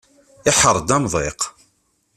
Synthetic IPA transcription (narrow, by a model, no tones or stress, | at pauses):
ɪħəɾˤːd̪æmðˤeq